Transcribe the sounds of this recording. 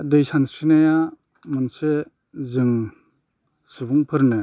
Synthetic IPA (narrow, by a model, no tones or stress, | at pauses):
dejsansɾinaja | mɯnse | zɯŋ | subuŋpʰɯɾnɯ